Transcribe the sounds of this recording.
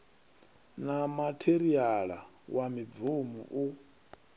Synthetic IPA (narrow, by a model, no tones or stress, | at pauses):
namatʰeɾiaɺa | wamivumṵʔu